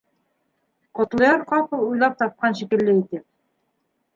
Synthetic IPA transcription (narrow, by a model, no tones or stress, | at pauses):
qŏt̪lˠɤ̆jɑɾqɑpɤlˠujlˠɑp̚t̪ɑp̚qɑnʃikɘ̆lːɘit̪ɘp̚